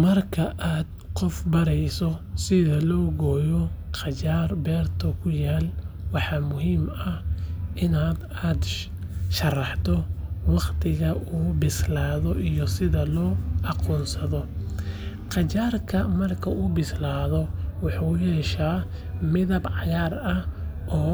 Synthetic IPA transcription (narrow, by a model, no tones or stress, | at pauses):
mɐrkʰɐʔaːd̪ | qɔfbɐɾɛjsɔsɪðɐlɔːɣɔːjɔqɑt͡ʃaːrbɛːrt̪ʰɔkʰʊjaːlwɑħɑːmʊɦiːmɐhʔɪnaːd̪ | aːd̪ | ʃɐrɑħt̪ʰɔwɑqt̪ʰɪɣɐʔuːbɪslaːðɔʔijɔsɪðɐlɔːɑqɔːnsɐðɔ | qɑt͡ʃaːrkʰɐmɐrkʰɐuːbɪslaːðɔwɑħuːjɛʃaː | mɪðɐbʕɑjaːrɐʔɔː